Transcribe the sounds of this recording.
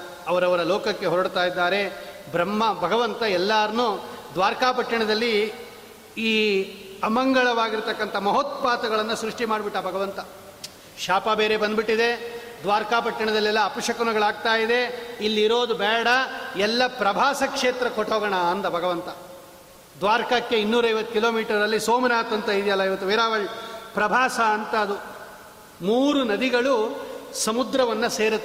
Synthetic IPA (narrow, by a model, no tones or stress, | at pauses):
ɐʋɐɾɐʋɐɾɐloːkɐkːe̞ɦɔɾɐɽt̪aːjid̪ːaːɾe̞ | bɾɐmːɐbʱɐɡɐʋɐnt̪ɐɛlːaːɾɐnud̪ʋaːɾkaːpɐʈːɐɳɐd̪ɐlːi | iːɐmɐŋɡɐɭɐʋaːɡiɾt̪ɐkːɐnt̪ʰɐmɐɦot̪paːt̪ɐɡɐɭɐnːusɾuʂʈimaːɖbiʈːabʱɐɡɐʋɐnt̪ɐ | ʃaːpɐbeːɾe̞bɐnd̪biʈːid̪e̞ | d̪ʋaːɾkaːpɐʈːɐɳɐd̪ɐlːɛlːɐːpuʂɐkunɐɡɐɭaːɡ̚t̪aːjid̪e̞ilːiɾo̞ːd̪ubɛːɽɐɛlːɐpɾɐbʱaːsɐkʂeːt̪ɾɐkoʈoːɡɐɳaɐnd̪ɐbʱɐɡɐʋɐnt̪ɐ | d̪ʋaːɾkɐkːe̞inːuːɾɐjʋɐt̪ːu̥kiloːmiːʈɐɾɾɐlːisoːmɐnaːt̪ɐnt̪ɐid̪ijɐlːɐiʋɐt̪ːuʋeːɾaːʋɐɭpɾɐbʱaːsɐːnt̪ɐːd̪u | muːɾunɐd̪iɡɐɭusɐmud̪ɾɐʋɐnːɐseːɾɐt̪ː